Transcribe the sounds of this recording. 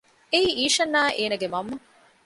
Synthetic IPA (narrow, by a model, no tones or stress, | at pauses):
eiːʔiːʃɐnːaːʔeːnɐɡemɐmːɐ